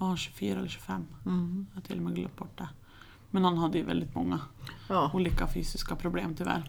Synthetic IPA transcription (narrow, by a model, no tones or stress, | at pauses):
haɕʉ̥fyːɾaɛlːəʂʉfɛmː | t̪ʰːɪlːɔmɛːɡlɵ̰p̚ːbɔʈːa | mɛnɔnːhad̪ːəjɵvɛ̰ld̪ɪt̪mɔŋːa | uːliːkafyːsɪskapʰɾʊbleːmt̪ʰʏvæ̰ɾ